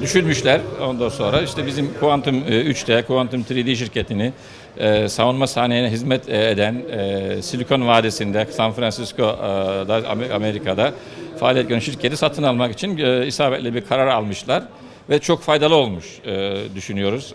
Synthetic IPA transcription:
d̪yʃynmyʃlʲæɾo̞nd̪anso̞nɾaiʃt̪ʰɛbizimkʰuvant̪ʰɯmyt͡ʃt̪ʰɛkʰuvant̪ʰɯmt̪ʰɾid̪iːʃiɾcʰe̞t̪ʰini | ɛːsavunmasaːnejinɛɦizmɛt̪ʰed̪ænːsilʲkʰo̞nvaːd̪esind̪ɛsanfɾansiskʰo̞d̪aa̰ma̰meɾikʰad̪a | faːlʲiɛt̪̚ɟʲønʃiɾcʰet̪isat̪ʰɯnalˠmakit͡ʃʰinisaːbɛt̪lʲɛbiɾkʰaɾaɾalˠmɯʃlˠaɾ | vɛt͡ʃʰo̞kfajd̪alˠɯo̞lˠmuʃɯːd̪yʃynyjo̞ɾuz̥

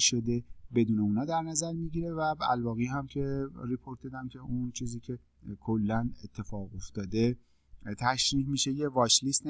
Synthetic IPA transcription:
ʃo̞d̪e̞be̞d̪uːneuːnɒːd̪æɾnæzæɾmiɟiɾe̞væbæ̰lvɒːɣiɦæmcʰe̞ɾipʰo̞ɾt̪̚d̪ɒd̪æmcʲʰe̞unt͡ʃʰiːziːcʰe̞ | kʰolːænet̪ʰːe̞fɒːɣo̞ft̪ɒːd̪e̞ | t̪ʰæʃɾiːɦmiːʃejevɒːʃlist̪

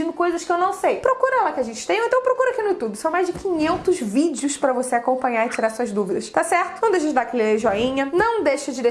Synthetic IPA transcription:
ĩnd̪ʊkojzɐskɪewnɐ̃w̃sejpɾokuɾɐɛlɐkɪaʒẽnt͡ʃɪ̥t̪ẽj̃ẽt̪ɐ̃w̃pɾokuɾʊakinʊɪt̪ud̪ʊsɐ̃w̃majzd͡ʒɪkʰʲĩɲẽnt̪ʊzvid͡ʒɪʊʃpɾɐvoseakõmpɐ̃ɲaɾɪt͡ʃiɾaɾsuɐzd̪uvid̪ɐʃt̪asɛɾt̪ʊnɐ̃w̃d̪ejʃ̬ɐd͡ʒɪd̪aɾɐkɛlɪleʒɔĩɲɐnɐ̃w̃d̪ejʃɐd͡ʒɪd̪e

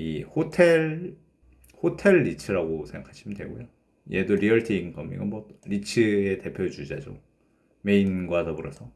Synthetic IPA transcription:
ihotʰe̞ɭ | hotʰe̞ɭːit͡ɕʰɯɾaɡosʰeŋɡa̰kʰaɕʰimindwe̞̰ɡojo | jedoɾiʌɭtʰiiŋkʌmḭɡɯnmʌɾit͡ɕʰɯete̞pʰjod͡ʑud͡ʑad͡ʑo̰ | me̞inɡwadʰʌpuɾʌsʰʌ

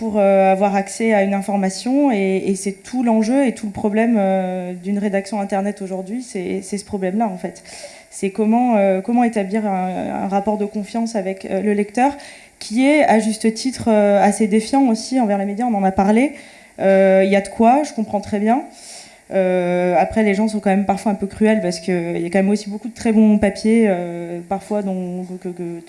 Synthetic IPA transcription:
puʁøavwaʁaksɛaynɛ̃fɔʁmasjɔ̃eːsɛt̪ʰulɑ̃ʒøet̪ʰuləpχɔblɛmød̪ynʁed̪aksjɔ̃ɛ̃t̪ɛʁnɛt̪oʒuʁd̪ɥisɛsɛsə̥pχɔblɛmlaɑ̃fɛt̪ | sɛkɔmɑ̃økɔmɑ̃et̪abliʁɛ̃ɛ̰̃ʁapɔʁd̪əkɔ̃fjɑ̃savɛkləlɛkt̪œʁ | kʲʰiɛaʒyst̪ət̪ʰit̪χøased̪efjɑ̃osiɑ̃vɛʁlemed̪jaɔ̃nɑ̃napaʁle | øiljad̪əkwaʒəkɔ̃pχɑ̃t̪χɛbjɛ̃ | øapχɛleʒɑ̃sɔ̃kɑ̃mɛmpaʁfwaɛ̃pøkχyɛlpaʁsə̥kəḭljakɑ̃mɛmosibokud̪ət̪χɛbɔ̃papjeøpaʁfwad̪ɔ̃kkə

